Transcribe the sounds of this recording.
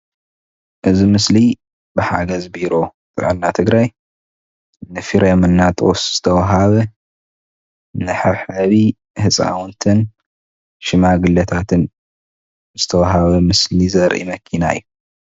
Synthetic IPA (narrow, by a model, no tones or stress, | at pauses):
ʔɨzimɨsli | bɨħa̰ɡɐzbiɾo̞ | t̪ʼɨ̰ʕɨlnat̪ʰɨɡɾaj | nɨfiɾɛmɨnːat̪ʼosz̥ɨt̪ʰɐwaɦaβɐ | nɨħɨβħɨβi | hɨt͡sʼa̰wnt̪ʰɨn | ʃɪmaɡɨlɐt̪ʰat̪ʰɨn | zɨt̪ʰɐwaɦaβɐmɨslizɐɾʔḭmɐkʰina̰jːu